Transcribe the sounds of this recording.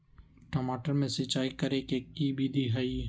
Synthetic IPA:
ʈomaːʈəɾmẽsɪt͡ʃaːikɐɾekekːibʱid̪iɦai

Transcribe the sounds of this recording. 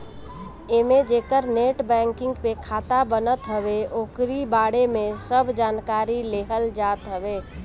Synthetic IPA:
emed͡ʒekəɾneʈbɛ̃ŋkɪ̃ŋɡpekʰat̪abənət̪ɦəbeokɾibaɽemesəbʱd͡ʒankaɾileɦəld͡ʒat̪ɦəbe

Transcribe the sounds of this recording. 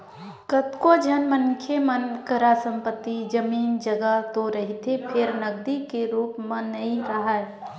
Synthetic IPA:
kət̪kod͡ʒʱənmənkʰemənkəɾasə̃mpət̪ːid͡ʒəmiːnd͡ʒəɡat̪oɾəɦit̪ʰepʰɪɾnəɡd̪ikeɾuːpmə̃nːəɦĩɾəɦaɛ

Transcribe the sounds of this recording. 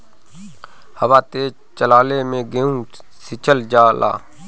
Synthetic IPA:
həʋaːt̪e | t͡ʃəlaːlemẽɡeːũːsɪt͡ʃʰəld͡ʒaːlʔa̰ː

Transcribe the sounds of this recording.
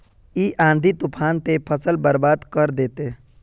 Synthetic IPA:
iʔãːnd̪ʱit̪ʊpʰaːnt̪epʰəsəlbəɾbaːd̪kəɾd̪eːt̪e

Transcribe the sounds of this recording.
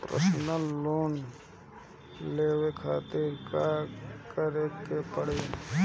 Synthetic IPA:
pɾə̰snəloːn | leːwekʰaːt̪iɾkakəɾekepəɽe

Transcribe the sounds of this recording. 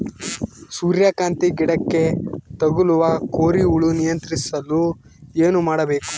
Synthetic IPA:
suːɾjaːkaːnt̪iɡiɽɐkːe̞t̪ɐɡuluʋɐkoːɾiuɭunijɐnt̪ɾisɐlːu | e̞ːnumaːɽɐbe̞ːku̥

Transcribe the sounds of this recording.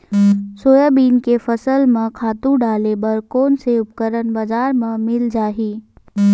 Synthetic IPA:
soːjəbiːnkefəsəlmẽkʰaːt̪ũɖaːlebəɾkoːnseʊpkəɾənbazaːɾmẽmɪld͡ʒaːɦiː

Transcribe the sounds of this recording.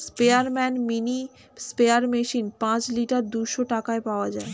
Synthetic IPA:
speaɾmɛnmini | speaɾmeʃinpãt͡ɕliʈaɾd̪uʃoʈakaepaoad͡ʑae

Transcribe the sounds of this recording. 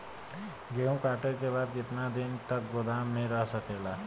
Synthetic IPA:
ɡeːũkaːʈəɾkeβaːd̪kɪt̪nad̪ɪnt̪ɐk̚ɡʊd̪aːmnẽɾəɦsɐkeːlaː

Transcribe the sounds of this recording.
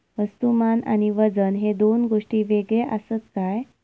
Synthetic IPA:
ʋəst̪umana̰ñiʋəd͡zənɦed̪onɡoʂʈiːʋeɡɭeʔəsət̪kaj

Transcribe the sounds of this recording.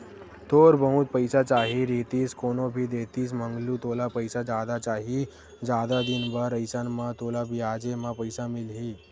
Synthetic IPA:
t̪oːɾbəɦũt̪̚pəjsat͡ʃaːɦiɾeːt̪iːskoːnobʱid̪eːt̪iːs̬mə̃ŋɡlut̪oːlapəɪsad͡ʒaːd̪at͡ʃaːɦi | d͡ʒjaːd̪ad̪ɪnbaɾəjsanmãt̪oːlabʱiaːd͡ʒemãpəjsamɪlɦiː

